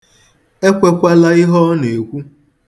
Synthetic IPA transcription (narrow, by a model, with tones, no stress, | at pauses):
e˦kʷe˦kʷa˦la˦ɪ˦ɦɔ˦ne˨kʷu˦